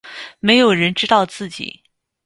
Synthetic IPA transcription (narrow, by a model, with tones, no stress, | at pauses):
me˧˥ɪjo˨˩ʊɻə˧˥nʈ͡ʂɻ̩˥t̪ɑ˥˧ʊt͡sɹ̩˥˩t͡ɕḭ˨˩˦